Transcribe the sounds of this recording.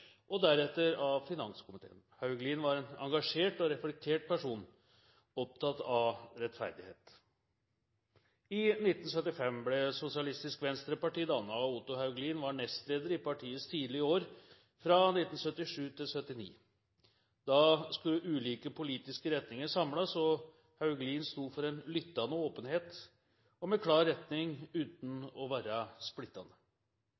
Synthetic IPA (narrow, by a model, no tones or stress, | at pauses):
ʔɔd̪æɾɛt̪ːəɾɑfɪnɑnskʰʊmɪt̪ʰḛːənhɑʉɡliːnʋɑɾɛnɑ̰ŋɡɑʂeːʈɔɾɛflɛk̚t̪ʰeːʈ̚pʰæʂuːn | ɔp̚t̪ʰɑt̪ɑʋɾɛt̪fæ̰ɾd̪ɪhḛːt̪ | ɪnɪt̪ːn̩sœt̪ːɪfɛmblɛsʊsɪɑlɪst̪ɪskʋɛnst̪ɾəpɑʈiːd̪ɑnəɑʊt̪ʊhɑʉɡliːnʋɑɳɛst̪leːd̪əɾɪpɑʈʰiːəst̪ʰiːd̪lɪəoːɾ | fɾɑnɪt̪ːn̩sœt̪ːɪʂʉːt̪ʰɪlsœt̪ːɪnḭː | d̪̥ɑskʉəʔʉːliːkəpʰʊliːt̪ɪskəɾɛt̪nɪŋəsɑmlɑsɔ | hɑʉɡliːnst̪uːfɔɾɛnlʏt̪ːɑnəoːpənheːt̪ | ɔmɛkʰlɑːɾːɛt̪nɪŋʉːt̪n̩ɔʋæːɾəsplɪt̪ːɑnə